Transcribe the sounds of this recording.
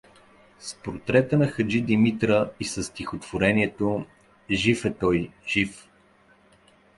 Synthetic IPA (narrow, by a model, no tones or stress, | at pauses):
spoɾt̪ɾɛt̪ənɐxəd͡ʒid̪imit̪ɾəisəst̪ʲixot̪v̥oɾɛniɛt̪o | ʒifɛt̪ɔjʒ̥if